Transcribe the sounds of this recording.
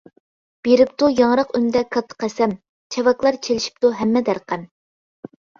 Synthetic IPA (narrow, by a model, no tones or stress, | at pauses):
b̥eɾɪp̚t̪ujɑŋɾɑqynd̪ɛkʰɑt̪ʰə̥qʰæsɛm | t͡ʃʰɛvɑklˠɑɾt͡ʃʰelɪʃi̥p̚t̪uɦɛmːɛd̪æɾqæn